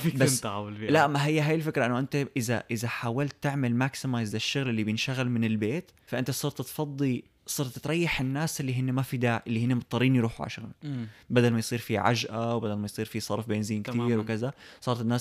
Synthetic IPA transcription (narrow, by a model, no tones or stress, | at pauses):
fbaʕawllaʔmːaɦɪjːaɦaːjɪlfɪkɾˤaʔɪnːʊʔɪnt̪aʔɪza̰ʔɪzaħaːwalt̪ːɪʕmalmaksɪmajzaʃːʊɣlʔɪlːibjɪnʃaɣalmɪnɪlbeːt̪faʔɪnt̪asˤɑːɾˤt̪t̪fɑd̪ˤːi | sˤɑːɾˤt̪t̪ɾˤɑjːaħɪnːaːsʔɪlːiɦɪnːemafid̪aːʕʔɪlːihɪnːemɑt̪ˤːɑɾˤiːnjɾˤuːħuʕa̰ʃɣa̰lbad̪almajsˤiːɾfiʕa̰ʒʔawbad̪almajsˤiːɾfisˤɑɾˤfbeːnziːnkt̪iːɾwɪkazasˤɑːɾt̪ɪnːaːs